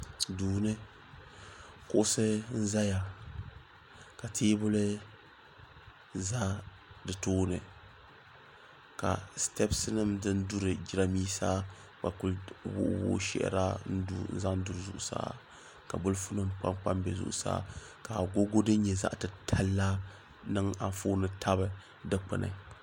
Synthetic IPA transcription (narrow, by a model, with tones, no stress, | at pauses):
duː˨nɨ˦ | kʊ˦ʔʊ˦sɨ˦n̩˦za˦ja˨ | ka˨tʰeː˦bʊ˦lɨ˦ | za˦ | dɨ˨toː˦nɨ̰˨ | ka̰˨stɛ˦psɨ˦nɨ˦mdɨ˦ndu˦ɾɨ˨d͡ʒi˦ɾa˦miː˦saː˦ | k͡pa˨ku˦lwʊ̰˦ʔwʊ̰˦ʃɛ̰˨ʔɾa˦n̩˦u˦n̩̰˦za˦n̩˦du˦ɾɨ˨zṵ˨ʔʊ˨sa̰ː˦ | ka˨bʊ˦lfʊ˦nɨ˦mk͡pa̰˦mk͡pa˦mbɛ˨zʊ̰˦ʔʊ̰˨sa̰ː˦ | ka˨ɡo˦ɡo˦dɨ˦n˦ɲɛ˨za̰˦ʔtɨ˨tʰa˦lːa˦ | nɨ˦ŋa˨foː˦nɨ˦tʰa˦bɨ˨ | dɨ˦k͡pɨ˨nɨ̰˨